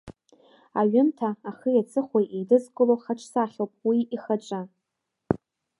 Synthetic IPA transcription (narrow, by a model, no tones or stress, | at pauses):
aɥɪntʰaːχəjat͡sʰɨχʷajʔedɨzkʼɨlowχaʈ͡ʂʰsaχʲowpʼwiiχaʈ͡ʂʼa